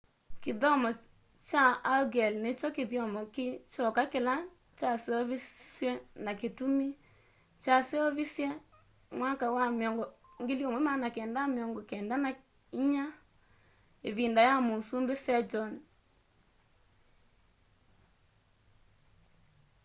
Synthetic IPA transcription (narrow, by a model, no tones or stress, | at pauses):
keðɔmɔ | t͡ʃaːɡɛlnet͡ʃɔkeðjɔmɔket͡ʃɔkakela | t͡ʃaseɔβisjɛnaketumi | t͡ʃaseɔβisjɛ | mwakawamjɔŋɡɔ | ŋɡeljɔmwɛmanakɛːndameɔŋɡɔkɛːndana | iɲa | ḛβindajamosumbesɛd͡ʒɔn